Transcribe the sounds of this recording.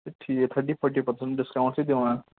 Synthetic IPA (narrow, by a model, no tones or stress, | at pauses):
ʈʰiːkɛt̪ʰəɾʈipʰɔɾʈipəɾsə̃ɳʈ̚ɖɪskãʊ̃ɳʈsid̪eʋãã